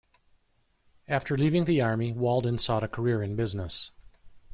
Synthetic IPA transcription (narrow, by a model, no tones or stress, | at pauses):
æftʰə˞livɪ̃ŋðiɑɹmiwɔlˠdⁿn̩sɔɾɨkʰə˞ɪɹɨ̃nbɪznəs